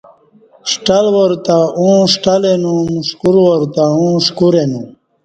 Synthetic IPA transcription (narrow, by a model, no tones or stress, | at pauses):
ʂʈalwoɾt̪aũʂʈalenũmuʂkuɾwoɾt̪aũʂkuɾenũ